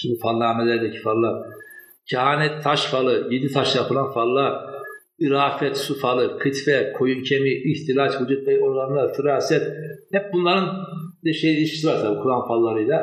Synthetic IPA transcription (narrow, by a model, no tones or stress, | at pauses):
cʰibifalˠːaːmelʲeɾd̪ɛcʰi̥falːˠa | cʰaɦaːnɛt̪ʰːaʃfalˠɯjed̪it̪ʰaʃjapʰɯlˠanfalˠːa | iɾaːfɛt̪sufalˠɯkʰɯt̪fɛkʰo̞juncʰemiːht̪ʰilʲat͡ʃhud͡ʒut̪̚vɛjonˠanlˠaɾt̪ʰɯɾaːsijɛt̪hɛp̚bunlˠaɾɯnid̪ɛʃejilʲiʃkʰʲi̥sivaɾsabukʰuɾanfalˠːaɾɯjlˠa